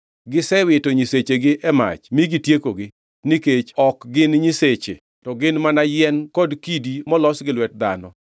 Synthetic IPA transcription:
ɡɪsɛwɪtoɲiset͡ʃeɡɪʔɛma̰t͡ʃmiɡitjekoɡɪ | niket͡ʃɔkɡɪnɲiset͡ʃḛ | tɔɡɪnmanajɛnkɔdkidimɔlɔsɡɪlwɛt̚d̪anɔ̰

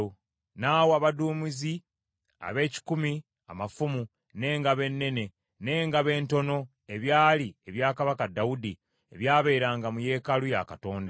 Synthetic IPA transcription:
naːwoaβaduːmuzi | a̰βe̞ːci̥kumi | a̰mafumu | ne̞ːŋɡaβe̞nːe̞ne̞ | ne̞ːŋɡaβe̞ːnto̞no̞ | e̞βjaːlie̞βjaːkaβakadawudi | ḛβjaːβe̞ːɾaːŋɡamuje̞ːkalwujakato̞ːnda

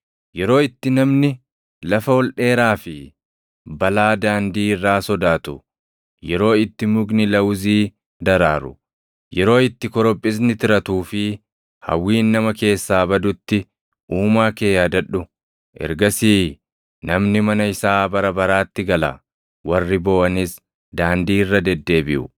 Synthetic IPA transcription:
jɛɾo̞ːɪt̪ːɪnɐmnɪ | lɐfɐwɔlᶑe̞ːɾaːfɪ | bɐlaːd̪aːnd̪iːɪrːaːsɔd̪aːt̪ʊ | jɛɾo̞ːɪt̪ːɪmʊɡnɪlɐwziː | d̪ɐɾa̰ːɾʊ̰ | jɛɾo̞ːɪt̪ːɪkɔɾɔpʼːɪs̬nɪt̪ɪɾɐt̪uːfɪ | hɐ̰wːiːnːɐmɐke̞ːsːaːbɐd̪ʊt̪ːɪ | ʔuːmaːkeːjaːd̪ɐᶑʊ | ʔɛ̰ɾɡɐsiː | nɐmnɪmɐnɐɪsaːbɐɾɐbɐɾaːt̪ːɪɡɐlɐ̰ | wɐrːɪboːʔɐnɪs | d̪aːnd̪iːɪrːɐd̪ɛd̪ːe̞ːbɪʔʊ̰

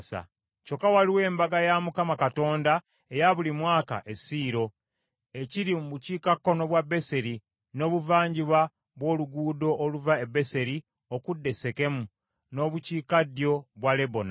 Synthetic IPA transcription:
sa̰ | co̞kːawaliwe̞ːmbaɡajamukamakato̞ːnda | ejaβulimwaːka̰ʔesiːɾo̞ | e̞ciɾimβuciːkakːo̞no̞βwabːe̞se̞ɾi | no̞ːβuvaːɲɟiβa | βwo̞ːluɡuːdo̞ʔːluvaebːe̞se̞ɾi | okudːe̞se̞ke̞mu | no̞ːβuciːkadjo̞βwale̞bo̞na

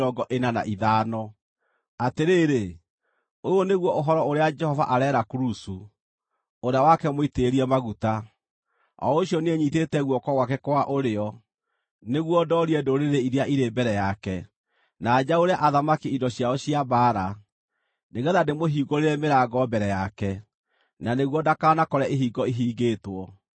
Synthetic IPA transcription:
ɾɔɡɔʔenana̰ʔiðaːnɔ | ateɾeːɾe | ooneɣwɔʔoɦɔɾɔoɾead͡ʒɛhɔva̰ʔaɾɛːɾakuɾusu | oɾeawakɛmoiteɾiɛmaɣuta | ɔ̰oɕijɔneeɲitetɛɣwɔkɔɣwakɛkwaʔoɾeɔ | neɣwɔdɔɾiɛdoɾeɾeiɾeaʔiɾebɛɾɛjakɛ | nad͡ʑaoɾeaʔaðamakiidɔɕjaɔɕiabaːɾa | neɣɛðademoɦiːɡoɾeɾɛmeɾaɡɔbɛɾɛjakɛ | naneɣwɔdakaːnakɔɾɛʔeɦiːɡɔiɦiːɡeːtwɔ

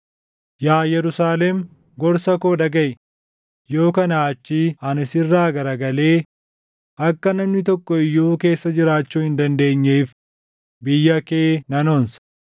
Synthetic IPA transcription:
jaːjɛɾʊsaːlɛm | ɡɔɾsɐkoːd̪ɐɡɐʔɪ | jo̞ːkɐnaːt͡ʃːiːɐnɪsɪrːaːɡɐɾɐɡɐle̞ː | ʔɐkːɐnɐmːɪt̪̬ɔkːɔɪjːuːke̞ːsːɐd͡ʒɪɾaːt͡ʃːuːhɪnd̪ɐnd̪e̞ːɲːe̞ːf | bɪjːɐkeːnɐno̞ːnsɐ̥

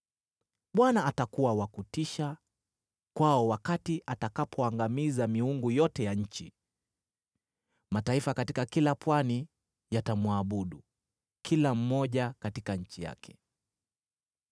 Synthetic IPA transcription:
ɓwanaːtakuwawakutiʃa | kwaɔwakatiʔatakapʰɔaŋɡamizamiuŋɡujɔtɛjaɲ̩t͡ʃḭ | mataifakatikakilapwani | jatamwaɓuɗu | kʰilam̩mɔʄakatikaɲ̩t͡ʃija̰kʰɛ̥

